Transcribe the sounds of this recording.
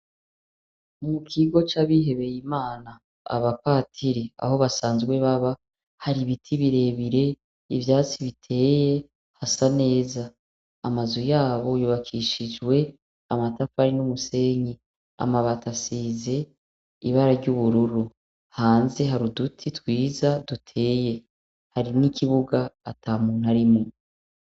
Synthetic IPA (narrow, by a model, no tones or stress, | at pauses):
mukʰiɡot͡ʃaβiɦe̞βe̞jimaːna̰ː | βapaːtʰiɾia̰ho̞βasaːnzɡwe̞βaβa | haɾiβitʰiβiɾe̞ːβiɾe̞ | ivjaːt͡siβitʰe̞ːje̞ | hasane̞ːzaː | mazojaːβo̞juβakʰiʃid͡ʒɡwe̞ | amatafaɾinumuse̞ːɲi | a̰maβatasiːze̞ | ḭβaɾaɾɟuβuɾuɾu | haːnze̞ɦaɾudutʰitwiːzadutʰe̞ːje̞ | haɾinikiβuɡaːtaːmuːn̥haɾimŋo